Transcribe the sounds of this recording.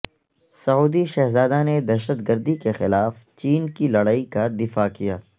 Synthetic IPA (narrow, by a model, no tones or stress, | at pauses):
sɐɦuːd̪iʃɛɦzaːd̪aned̪ɛːʃət̪ɡəɾd̪ikexɪlaːft͡ʃiːnkilɐɽaːikad̪ɪfakijaː